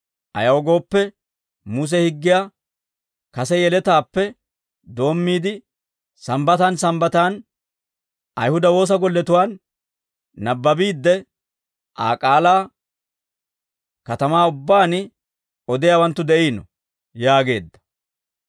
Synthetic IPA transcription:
ʔɐjɐwɔɡo̞ːpːɛ | muːs̬ɛhɪɡːɪjaː | kɐsɛjɛlɛt̪aːpːɛ | d̪o̞ːmːiːd̪ɪ | sɐmbɐt̪aːnsɐmbɐt̪aːn | ʔɐ̰jhʊd̪ɐwo̞ːs̬ɐɡɔlːɛt̪ʊwaːnː | ɐbːɐbiːd̪ːɛ | ʔa̰ːkʼaːlaː | kɐt̪ɐmaːʊbːaːnɪ | ɔd̪ɪjaːwɐnt̪ːʊd̪ɛʔiːnɔ | jaːɡe̞ːd̪ːɐ̥

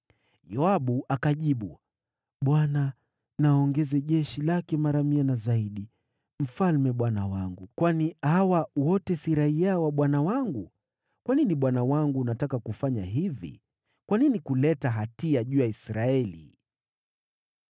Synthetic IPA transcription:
jɔaɓuakaʄiɓu | ɓwana | naɔŋɡɛzɛʄɛʃilakɛmaɾamianazaiɗi | m̩falmɛɓwanawaŋɡukwanihawawɔtɛsiɾaiawaɓwanawaŋɡu | kwaniniɓwanawaŋɡunatakakufaɲa̰ɦivḭ | kwaninikulɛtaɦatiaʄuːjaisɾaɛlḭ

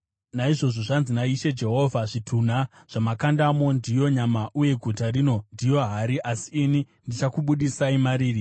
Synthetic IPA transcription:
naiʐo̞ʐo̞ʐanzinaiʃe̞d͡ʒe̞ɦo̞vʱaʐitʰun̤a | ʐ̥amakandamo̞ndijo̞ɲamaʔuje̞ɡʱutarino̞ndijo̞ɦaɾiʔasiːni | ndit͡ʃakuɓuɗisaimaɾiːri

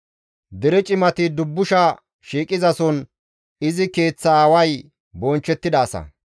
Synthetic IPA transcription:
d̪ɛɾɛt͡ʃʼɪmɐt̪ɪd̪ʊbːʊʃɐ | ʃiːkʼɪzɐsɔn | ɪzɪke̞ːt͡sːɐːwɐj | bɔnt͡ʃːɛt̪ːɪd̪aːsɐ̰

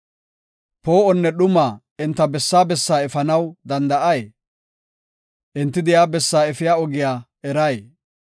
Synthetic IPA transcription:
poːɔnːɛɗʊmaː | ɪnt̪ːɐbɛsːaːbɛsːaːɛfɐnɐwd̪ɐnd̪ɐʔɐj | ʔɪnt̪ːɪd̪ɪjaːbɛsːaːɛfɪjaːɔɡɪjaː | ɛɾɐj

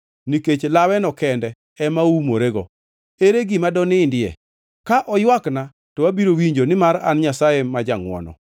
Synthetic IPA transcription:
niket͡ʃlawɛnɔkɛndɛ | ɛmaumoɾeɡɔ̰ | eɾeɡimadɔnɪndɪɛ̰ | kaʔɔjwakna | tɔwabiɾowiɲd͡ʒonɪmaɾa̰nɲasajemːad͡ʒaŋwɔ̰nɔ̰

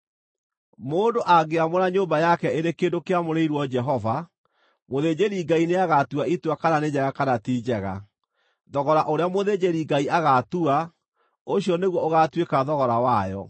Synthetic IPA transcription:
moːndoʔaɡeamoɾaɲoːmbajakɛeɾekeːdokeamoɾeiɾwɔd͡ʒɛɦɔva | moðed͡ʑeɾiɡaineaɣatuaitwakananed͡ʑɛɣakanatiːd͡ʑɛɣa̰ | ðɔɣɔɾaʔoɾeamoðed͡ʑeɾiɡaiʔaɣatua | oɕiɔneɣwɔoɣatwekaðɔɣɔɾawajɔ̰

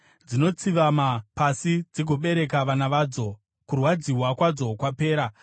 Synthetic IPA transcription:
d͡zino̞t͡siʋamapasid͡ziɡʱo̞ɓe̞ɾe̞k̬aʋanaʋaːd͡zo̞ | kurwad͡ziɦwakwad͡zo̞kwape̞ːɾa

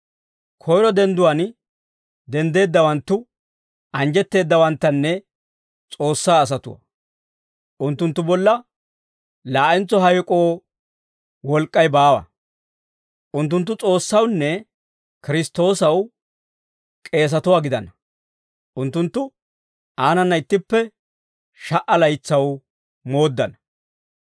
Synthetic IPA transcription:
kʰɔjɾɔd̪ɛnd̪ʊwɐn | d̪ɛnd̪e̞ːd̪ːɐwɐnt̪ːʊ | ɐnd͡ʒɛt̪ːe̞ːd̪ːɐwɐnt̪ːɐnːɛ | t͡sʼo̞ːsːaːs̬ɐt̪ʊwɐ̰ | ʔʊnt̪ːʊnt̪ːʊbɔlːɐ | laːʔɛnt͡sɔɦɐjkʼo̞ː | wɔlkʼːɐjbaːwɐ̰ | ʔʊnt̪ːʊnt̪ːʊt͡sʼo̞ːsːɐwnːɛ | kɪɾɪst̪o̞ːsɐw | kʼe̞ːs̬ɐt̪ʊwaːɡɪd̪ɐnɐ | ʔʊnt̪ːʊnt̪ːʊ | aːnɐnːɐɪt̪ːɪpːɛ | ʃɐʔɐlɐjt͡sːɐw | mo̞ːd̪ːɐnɐ̥

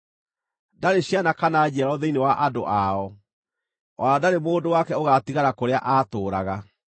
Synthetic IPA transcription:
daɾeɕianakanad͡ʑɛɾɔðeinewaʔadoʔaɔ | ɔɾadaɾemoːdowakɛoɣatiɣaɾakoɾeaʔaːtoːɾaɣa

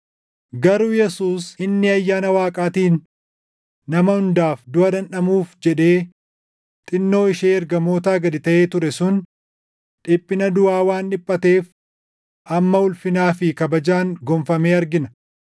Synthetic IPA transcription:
ɡɐɾujɛsuːsɪnːɪɐjːaːnɐwaːkʼaːt̪iːn | ɐmɐhʊnd̪aːfd̪ʊɐd̪ɐnɗɐmuːfd͡ʒɛᶑeː | t̪ʼɪnːo̞ːɪʃeːɛɾɡɐmo̞ːt̪̬aːɡɐd̪ɪt̪ɐʔeːt̪ʊɾɛsʊn | ᶑɪpʼːɪnɐd̪ʊaːwaːnᶑɪpʼːɐt̪e̞ːf | ʔɐmːɐʊlfɪnaːfɪkɐbɐd͡ʒaːŋɡɔmfɐmeːɐɾɡɪnɐ

